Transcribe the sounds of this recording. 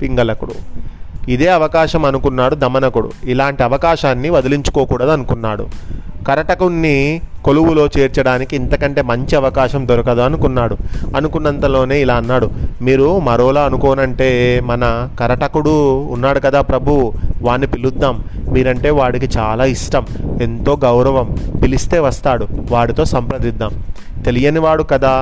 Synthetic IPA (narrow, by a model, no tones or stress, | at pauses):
piŋɡɐlɐkuɽṵ | id̪e̞ːɐʋɐkaːʃɐmɐnukunːaːɽud̪ɐmɐnɐkuɽṵilaːɳʈiɐʋɐkaːʃaːnːiʋɐd̪iliɲt͡ʃu̥koːkuːɽad̪ɐnukunːaːɽṵkɐɾɐʈɐkunːiko̞luwulo̞ːt͡ʃeːɾt͡ʃɐɽaːnikiːnt̪ɐkɐɳʈe̞ːmɐɲt͡ʃiɐʋɐkaːʃɐmd̪ɔɾɐkɐd̪uɐnukunːaːɽuɐnukunːɐnt̪ɐlo̞ːne̞ːilaːɐnːaːɽumiːɾumɐɾoːlaːɐnukɔːnɐɳʈe̞ːmɐnɐkɐɾɐʈɐkuɽuːnːaːɽukɐd̪aːpɾɐbʱuʋaːnːipilud̪ːaːmːiːɾɐɳʈe̞ːʋaːɽik̬it͡ʃaːlaːiʂʈɐme̞nt̪o̞ːɡɐwɾɐʋɐmpilist̪e̞ːʋɐst̪aːɽuʋaːɽit̪o̞ːsɐmpɾɐd̪id̪ːaːm | t̪e̞lijɐniʋaːɽukɐd̪aː